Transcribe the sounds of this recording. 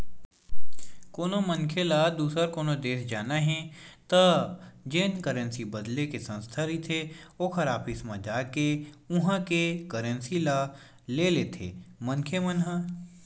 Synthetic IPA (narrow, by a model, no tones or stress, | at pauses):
koːnomənkʰelad̪uːsəɾkoːnod̪eːsd͡ʒaːnaɦɛ̃t̪ɐd͡ʒɪnkəɾənsibəd̪lekesə̃nst̪ʰaɾit̪ʰeoːkʰəɾaːpʰismãd͡ʒaːkeʊɦãkekəɾənsila | leːleːt̪ʰḛːmənkʰemənɦə